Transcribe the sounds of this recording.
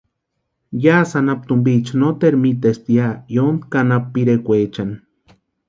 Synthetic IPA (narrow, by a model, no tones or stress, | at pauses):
jaːsanap̚t̪umbit͡ʃnot̪eɾmit̪est̪jajond̪kanapːiɾekʷeːt͡ʃan